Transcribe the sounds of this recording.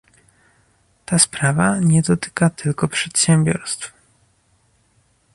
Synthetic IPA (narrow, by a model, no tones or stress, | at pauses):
t̪aspɾavaɲɛd̪ɔt̪ɘ̥kat̪ɘlkɔpʂɛt̪ɕɛmbʲjɔ̰ɾst̪f